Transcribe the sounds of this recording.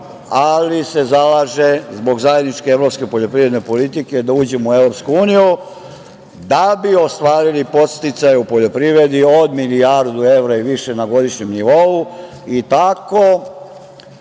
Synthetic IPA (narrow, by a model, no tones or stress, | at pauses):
alise̞zalaːʒe̞zbo̞ɡzajed̪nit͡ʃkeevɾo̞pske̞po̞ʎo̞pɾiʋɾe̞d̪nepo̞lit̪ike̞d̪auːd͡ʑemueʋɾo̞pskuuːniju | d̪abio̞st̪ʋaːɾilipo̞t̪st̪it̪sajupo̞ʎo̞pɾiʋɾe̞d̪io̞d̪miliaɾd̪ue̞ʋɾaiʋiʃe̞naɡo̞d̪iʃɲemniʋo̞u | it̪ako